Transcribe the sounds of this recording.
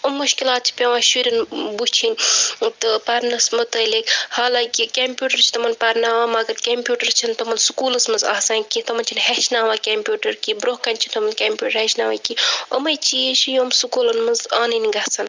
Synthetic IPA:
omːuʃkilaːt̪̚t͡ʃʰi̥pʲeʋãːʃuɾʲɐnbut͡ʃʰinʲt̪ɨpɐɾnɐsmɐt̪ɐlekhaːlaːkikempʲjuːʈɐɾt͡ʃʰi̥t̪ɐmɐnpɐɾnaːʋaːmɐɡɐɾkʲempjuːʈɐɾt͡ʃʰint̪ɐmɐnsukuːlɐsmɐnza̰ːsaːnkit̪ɐmɐnʲt͡ʃʰinheʃnaːʋaːkʲempʲjuːʈɐɾkibɾoːkɐnʲt͡ʃʰint̪ɐmɐnkʲempʲjʲuːʈəɾhɐʃnaːʋa̰kiɐ̰mɐjt͡ʃit͡ʃʰijoːmsukuːlɐnmɐnzaːninɡɐsɐn

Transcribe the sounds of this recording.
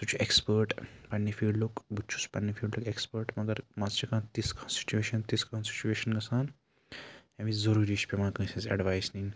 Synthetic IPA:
t̪ut͡ɕʰiʔekspəɾʈpanːifiɖlokbut͡ʃʰu̥spanːifiːɭɖlokekspəɾʈmɐɡəɾmad͡zt͡ʃekãt̪iskɔnsʈi̥t͡ɕueʃənt̪iskɔnsi̥t͡ɕueʃənɡɐsãn | jãmizəɾuːɾiːʃpemankə̃sẽzɐ̰ɖʋajsnĩ

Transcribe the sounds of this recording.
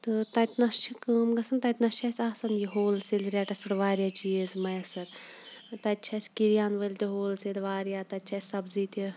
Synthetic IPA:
t̪ɨt̪ɐt̪ʲnɐst͡ʃʰikəːmɡɐsɐnt̪ɐt̪nɐsʃt͡ʃʰɐsʲaːsɐnjiɦoːlsilʲɾʲaʈɐspɨʈʋaːɾʲjat͡ʃijezmɐjɐsɐɾt̪ɐt̪̚ʲt͡ʃʰɐsʲkiɾjaːnʋɐlʲt̪ʲiɦoːlsilʋaːɾjaːt̪ɐt̪̚ʲt͡ʃʰɐsʲsɐbziːt̪ʲi

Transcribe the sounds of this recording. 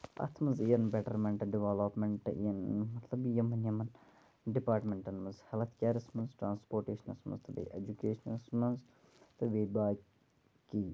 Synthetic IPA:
ɐ̰t̪ʰmɐnzijɐnbɛʈɐɾmẽɳʈɖiʋaːlopmẽɳʈɨ̰ḭjɐnmɐt̪ʰlɐbjɐmɐnjɐmɐn | ɖipaːɾʈmẽɳʈɐnmɐnzhɛlt̪ʰkʲjaːɾɐsmɐnzʈɾaːnspoːɾʈeːʃɐnɐ̰smɐ̰nzt̪ʰɐbɐ̰jʔḛd͡ʒukeːʃɐnɐlsmɐnz | t̪ɨʋeːbaː | ki

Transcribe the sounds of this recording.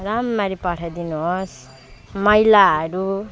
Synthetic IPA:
ramːaɾipʌʈʰajd̪inuɦos | mʌjlaɦʌɾu

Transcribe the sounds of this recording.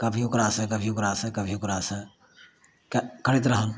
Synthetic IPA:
kəbʱiokɾasə̃kəbʱiokɾasə̃kəbʱiokɾaːsə | kkʰəɽit̪̬ɾəɦən

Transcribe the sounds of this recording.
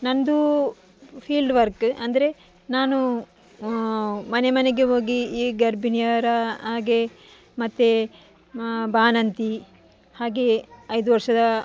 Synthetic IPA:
nɐnd̪u | pʰiːlɖʋɐɾkɐnd̪ɐɾe̞ | naːnu | mɐne̞mɐneɡe̞ɦo̞ːɡiːɡɐɾbinijɐɾɐɦaːɡe̞ | mɐt̪ːe | baːnɐnt̪i | haːɡe̞ɐjd̪uʋɐɾʂɐd̪ɐ

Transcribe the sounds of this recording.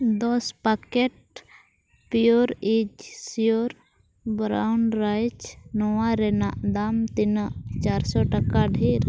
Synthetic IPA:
d̪ɔspakeʈ | pjoɾed͡ʒsijoɾ | bɾa̰ʊɳɖɾajt͡ʃnɔwaɾenad̪amt̪int͡ʃaːɾsɔʈəkaɖʱiːɾ

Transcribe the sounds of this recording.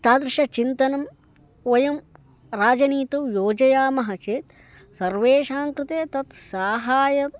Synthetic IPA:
t̪aːd̪ɾɪʃɐt͡ʃint̪ɐnɐm | ʋɐjɐm | ɾaːd͡ʒɐniːt̪ɐwjoːd͡ʒɐjaːmɐɦɐt͡ʃeːt̪ | sɐɾʋeːʃaːŋkɾɪt̪eːt̪ɐt̪saːɦaːjɐ

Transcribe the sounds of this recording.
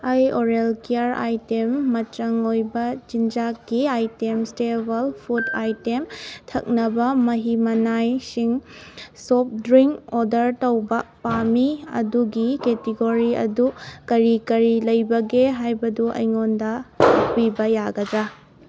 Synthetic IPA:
ajoɾelkiaɾa̰jtemːɐtɾɐŋojbɐd͡ʒind͡ʒakːiajtemstebɐlpʰuta̰jtemtʰɐ̰k̚nɐbɐmɐɦimɐnajsiŋsop̚dɾiŋkodɐɾtɐwbɐpamiɐ̰duɡiketiɡoɾiɐ̰dukɐɾikɐɾilɐjbɐɡeɦajbɐduʔɐ̰jŋondɐuk̚pibɐjaɡɐdɾa

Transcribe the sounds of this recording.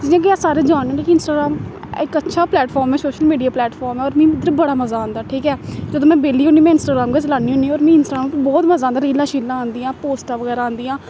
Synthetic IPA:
ɪãːkɪaːsaːɾeːd͡ʒaːnːĩːiːkiɪnsʈaːɡɾaːm | ɪkətːʃʰaːplɛːʈfʰɔːɾmɛːsoːʃəlmiːɖijaːplɛːʈfʰɔːɾmɛːɔːɾmɛ̃ːɪd̪ɾbəɽaːməzaːãːnd̪aːʈʰiːkɛːd͡ʒəd̪õːmɛ̃ːbeːliːoːniːmɛ̃ːɪnsʈaːɡɾaːmɡat͡ʃlaːniːɦõːniːɔːɾmɛ̃ːɪnsʈaaːbɔːt̪məzaːnd̪aːɾiːlãːʃiːlãːãːnd̪iːãːpoːsʈaːʋəɣɛːɾaːãːnd̪iːãː

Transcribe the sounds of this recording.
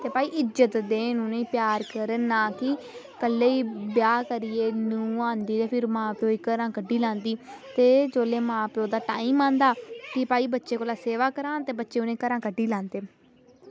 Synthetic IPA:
t̪eːpaːiːʔɪzət̪d̪eːnũːnẽĩːpjaːɾkəɾənaːkɪ | kəlːeːiːbjaːkəɾɪeːnũːãːnd̪iːt̪eːpʰɪɾmãːpeoːiːkəɾãːkəɖiːlãːnd̪iːt̪eːd͡ʒoːleːmãːpeːoːd̪aːʈaːĩːmãːnd̪aːkɪpaːiːbətːʃeːkoːlaːseːʋaːkəɾãːt̪eːbətːʃeːoːnẽːkəɾãːkəɖiːlãːnd̪eː

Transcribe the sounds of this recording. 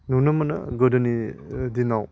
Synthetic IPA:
nunɐmɐnɐ̰ɡɐdɐnidinaw

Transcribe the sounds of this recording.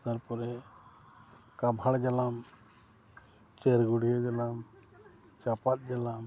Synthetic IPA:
t̪aɾpɔɾɛ | kabʱaɽd͡ʒalam | t͡ʃeɾɡuɽijad͡ʒalam | t͡ʃapat̪̚ˀd͡ʒalam

